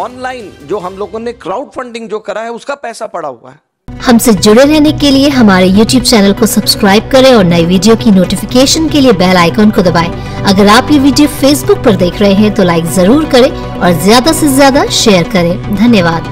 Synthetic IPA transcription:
ɔːnlaːɪnd͡ʒoːɦɐmloːɡõnekɾaːʊɖfɐ̃ɳɖɪ̃ŋɡd͡ʒoːkɐɾaɦɛʊskapɛːsapɐɽa̰ɦua̰ɦɛ | hɐmsed͡ʒʊɽeɾɛɦnekelieɦɐmaːɾejuːʈjuːb̚t͡ʃɛːnəlkosɐbskɾaːɪb̚kɐɾẽɔːɾnɐiʋiːɖijokinoːʈɪfɪkeːʃənkeliebɛːlaːɪkɔːnkod̪ɐbaːe | ɐɡəɾaːpjeʋiːɖijofeːsbʊk̚pɐɾd̪eːkʰɾɐɦeɦɛ̃t̪olaːɪkzɐɾuːɾkɐɾẽː | ɔːɾzjaːd̪asezjaːd̪aʃeːəɾkɐɾẽːd̪ʱɐnjəʋaːd̪

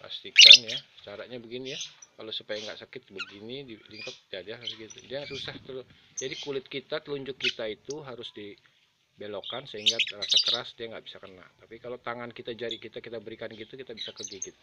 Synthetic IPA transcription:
pa̰st̪ikanjasə̥t͡ʃaɾaʔɲabəɡinijakalosupajaŋɡa̰ʔsakɪt̪̚bəɡinidiliŋkət̪̚d͡ʒadiaasɡit̪udiasusaht̪əld͡ʒadikulɪt̪̚kit̪at̪əluɲd͡ʒʊkːit̪ait̪uɦaɾʊsdi | belokansəɦiŋɡarasakəɾasdiaŋɡaʔbisakəna̰lt̪apikalot̪aŋankit̪ad͡ʒaɾikit̪akit̪abəɾikanɡit̪ukit̪abisakərɡiɡit̪̚a

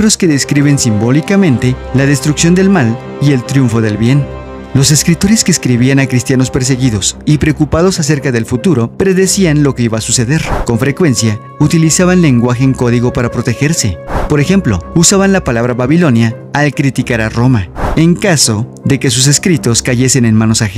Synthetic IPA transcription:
βɾo̞ske̞ðe̞skɾiβe̞nsimbo̞likamẽnt̪e̞laðe̞st̪ɾuksjo̞nd̪e̞lmal | ie̞lt̪ɾjuɱfo̞ðe̞lβje̞n | lo̞se̞skɾit̪o̞ɾe̞skeːskɾiβianakɾist̪jano̞speɾs̬e̞ɣiðo̞sipɾeokupað̞o̞sas̬e̞ɾkaðe̞lfut̪uɾo̞pɾe̞ðe̞sianlo̞ke̞iβaːsuse̞ðe̞ɾko̞ɱfɾekwe̞nsja | ut̪ilisaβanle̞ŋɡwaxe̞ːŋko̞ðiɣo̞paɾapɾo̞t̪e̞xe̞ɾse̞po̞ɾe̞xe̞mplo̞̰usaβanlapalaβɾaβaβilo̞njaː | lkɾit̪ikaɾaro̞maeŋkaso̞ | ðe̞ke̞s̬us̬e̞skɾit̪o̞skaʝe̞se̞ne̞nmãno̞sax

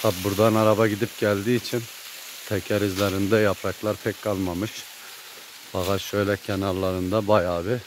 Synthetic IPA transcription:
t̪ʰabbuɾd̪anɑɾɑbɑɟid̪ip̚ɟælʲd̪iːt͡ʃʰin | t̪ʰɛcʰæɾizlʲɛɾind̪ɛjapʰɾɑklˠɑɾpʰɛkʲkʰɑlˠmamɯʃ | b̥ɑɣɑʃʃøjlʲɛcʲʰɛnaɾlˠaɾɯnd̪abɑjaːbɪ

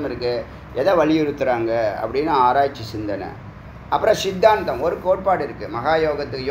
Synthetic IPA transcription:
mɪɾɯkːɯ | ɛðɐʋɐɭɪjɪɾɯt̪ːɯɾaːŋɡɐɐ̰pːɐɽɪnːaaːɾaːjt͡ʃːisɪnd̪ɐnɐ̰ | ɐpːɯɾɐ̃sɪd̪ːaːnt̪ɐ̃mɔɾɯkoːʈ̚paːɽɪɾɯkːɯmɐɣaːjoːɣɐt̪ːɯkːj

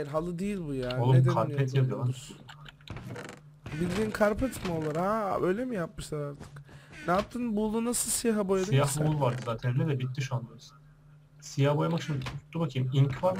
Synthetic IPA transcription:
ɾɦalˠɯd̪ijilʲbujaːnolˠumkʰaɾpʰɛt̪jab̪io | bid̪iːnkʰaɾpʰɛt̪molˠaɾhaø̞jlʲemijapmɯʃsaɾaɾt̪ʰɯ̥knɛjap̚t̪ʰɯnbulˠunasɯlˠsijaɦabojad̪ijahbuunˠvaɾd̪ɯzat̪ʰeɾinɛd̪ɛbit̪̚d̪iʃand̪ɯɾɯz | sijahbojamakʃʰimd̪ʰut̪ːubakʰɯjmincʰfaɾ

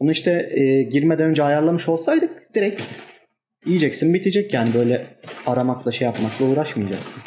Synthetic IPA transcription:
bonuiʃt̪ʰɛːɟiɾmɛd̪ænønd͡ʒɛajaɾlˠamɯʃo̞lˠsajd̪ɯk̚d̪̥iɾɛc | ijid͡ʒɛcsɯnbit̪ʰid͡ʒɛcjaːnibø̞jlʲɛaɾamaklˠaʃejapmaklˠauːɾaʃmɯjad͡ʒaksɯn

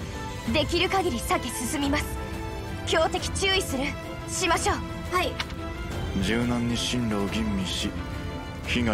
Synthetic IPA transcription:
d̪e̞kʲiɾɯ̟kaɡʲiɾʲisakesɨsɨmʲimasɨ̥ | kʲo̞ːt̪e̞kʲi̥t͡ɕɨːisɨɾɯ̟ | ɕimaɕo̞ː | hai | d͡ʑɨːnãɲːĩɕĩnɾoːɡʲĩmːʲĩɕi | çiɡa

